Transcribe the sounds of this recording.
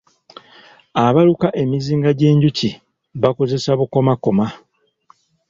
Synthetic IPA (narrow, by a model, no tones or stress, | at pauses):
aβalukaʔe̞miziːŋɡaɟe̞ːɲɟuci | βako̞ze̞saβuko̞mako̞ma